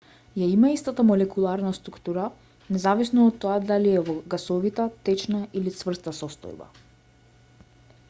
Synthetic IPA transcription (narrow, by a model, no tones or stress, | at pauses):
jaimaist̪at̪amɔlɛkulˠaɾnast̪ɾukt̪uɾa | nɛzavisnɔːt̪ːɔad̪aliɛvɔɡasɔvit̪ɛt̪ɛt͡ʃnailit̪svr̩st̪asɔst̪ɔ̰jba̰